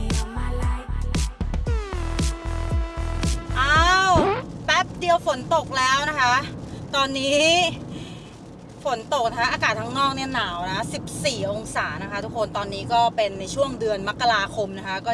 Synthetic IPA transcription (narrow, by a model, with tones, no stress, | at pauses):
ʔaː˧˥wwpɛ˦˥p̚di˧əwfo˩˦nt̪o˨˩k̚lɛː˦˥wna˦˥kʰa˦˥ʔt̪ɔː˧nːiː˦˥ | fo˩˦nt̪o˨˩k̚na˦˥kʰa˦˥ʔaː˧kaː˨˩t̪ʰa˦˥ŋnɔː˥˩k̚ni˥˩ɐnaː˨˩˦wna˦kʰa˥si˨˩p̚siː˨˩ʔo˧ŋsaː˩˦na˦˥kʰa˦˥t̪ʰu˦˥kʰːo˧nt̪ɔː˧nːiː˦˥kɔː˥˩pe˧nːa˧jt͡ɕʰu˥˩əŋdɯ˧ənma˦˥kːa˧ɾaː˧kʰo˧mna˦˥kʰa˦˥kɔː˥˩